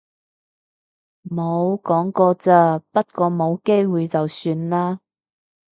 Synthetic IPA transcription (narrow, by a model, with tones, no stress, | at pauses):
mo˨˧wkɔː˨˥ŋkɔː˧t͡saː˧˩pɐ˥t̚kɔː˧mo˨˧wke˥jwuː˨jt͡sɐ˨wsyː˧nlaː˥